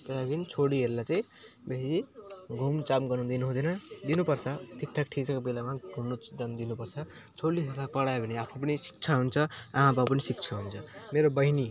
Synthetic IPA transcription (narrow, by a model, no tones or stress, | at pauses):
t̪ʌaɡinit͡sʰoɽiɦeɾulat͡saĩ | besiɡʱumt͡samɡʌnud̪inuɦũd̪ʌnʌd̪inupʌrt͡sʰʌt̪ʰik̚ʈʰak̚ʈʰit͡sakobelamaɡʱumnud̪ʌnd̪inupʌrt͡sʰʌt͡sʰoɽiɦeɾulapʌɽaebʱʌniapʰap̬ʌnisi̥k̚t͡sʰaɦunt͡sʰʌaɦãbapʌnisik̚t͡sʰʌɦunt͡sʰʌmeɾobʌɦini